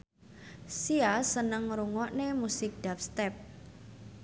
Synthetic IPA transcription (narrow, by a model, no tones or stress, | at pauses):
siasənəŋɾuŋɔʔnemusɪk̚d̥ap̚st̪ɛp̚